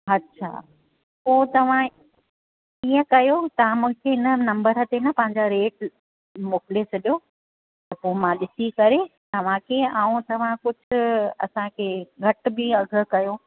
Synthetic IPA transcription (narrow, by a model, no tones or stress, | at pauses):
ɐtːɕʰa̰ː | poːt̪ɐʋ̤ã | iːə̃kɐjot̪ɐʋ̤ãmũːɦɪ̃kʰeɦɪnənɐ̃mbəɾɦət̪enɐpɐ̃ɦɪ̃ɲd͡ʑaɾeːʈ | moːkɪlesɐɗijo | tt̪ɐpoːmãɗɪsikɐɾet̪ɐʋ̤ãkʰeaːũt̪ɐʋ̤ãkʊd͡ʑʱʊ̆ɐ̰sãkʰeːɡʱɐʈ̆bɪɐɡʱə̆kɐjoː